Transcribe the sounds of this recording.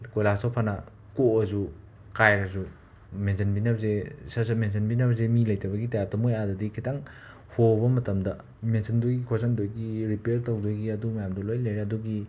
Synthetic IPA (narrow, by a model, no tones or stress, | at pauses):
kojlastopʰanɐ | koɐzu | kajɾɐzu | mensʰɐnbinɐbzesɐsɐmensʰenbinɐbɐzemilɐjtɐbɐɡitajap̚tɐmojadɐdikʰitʰaŋ | hʰobɐmɐtɐmdɐ | mensʰɐndojɡikʰosandojɡiɾipeɾtowdojɡiɐdumɐjamdɐlojlaɾeɐduɡi